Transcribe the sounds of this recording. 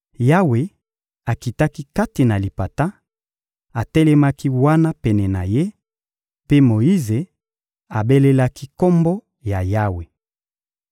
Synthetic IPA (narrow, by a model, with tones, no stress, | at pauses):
ja˦we˨ | a˨ki˨ta˦ki˦ka˦ti˨na˨li˨pa˨ta˦ | a˨tɛ˦lɛ˦ma˦ki˦wa˦na˦pɛ˨nɛ˨na̰˨je˦ | pe˦mo˨i˦ze˨ | a˨be˦le˦la˦ki˦ko˦mbo˦ | ja˨ja˦we˨